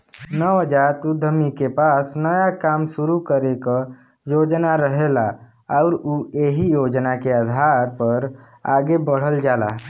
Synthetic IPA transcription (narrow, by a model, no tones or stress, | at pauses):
nəʋəd͡ʒaːɾt̪ud̪ʱəmikepaːsnəjakaːmʃʊɾukəɾeka | joːd͡ʒnaɾəɦela | ɔʊɾueɦijoːd͡ʒnakead̪ʱaɾpəɾ | a̰ːɡebəɽ̤əld͡ʒaːla̰